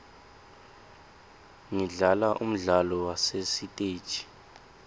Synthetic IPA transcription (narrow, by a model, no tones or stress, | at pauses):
ŋiɮalaʔum̩ɮalɔwasesitʼe̥ːt͡ʃʼi̥